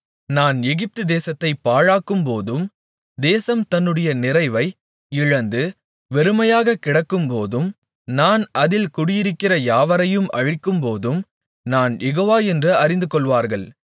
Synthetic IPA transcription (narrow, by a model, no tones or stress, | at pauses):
naːnjɛɣɪp̚t̪ɯd̪eːsɐt̪ːɐɪpːaːɻaːkːɯmpoːðɯm | d̪eːsɐmt̪ɐnːɯɽɐjɐnɪrɐɪʋɐɪ | ɪɻɐnd̪ɯ | ʋɛɾɯmɐjaːɣɐkɪɽɐkːɯmpoːðɯm | naːnʔɐðɪlkʊɽɪjɪɾɯkːɪrɐjaːʋɐɾɐjɯmʔɐ̰ɻɪkːɯmpoːðɯm | naːnjɛɣoːʋaːɛndrɯɐɾɪnd̪ɯkɔɭʋaːɾɣɐɭ